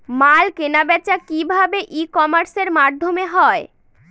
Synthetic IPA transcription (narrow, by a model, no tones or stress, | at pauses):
malkenabɛt͡ɕakibʱabeʔikɔmaɾseɾmad̪ʱːomeɦɔe